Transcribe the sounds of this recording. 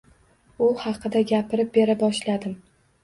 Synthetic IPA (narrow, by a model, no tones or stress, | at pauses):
ʊhɑqʰɨd̪aɡʲapʰɪɾɪp̚be̞ɾabɒʃlad̪ɪm